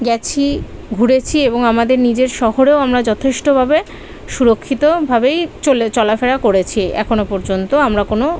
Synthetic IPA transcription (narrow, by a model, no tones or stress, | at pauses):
ɡɛt͡ɕʰi | ɡʱuɾet͡ɕʰieboŋamad̪eɾnid͡ʑeɾʃɔɦoɾeoamɾad͡ʑɔt̪ʰeʃʈobʱabe | ʃuɾokʰːit̪obʱabejt͡ɕolet͡ɕɔlafeɾakoɾet͡ɕʰiɛ̰kʰonopɔɾd͡ʑont̪oamɾakono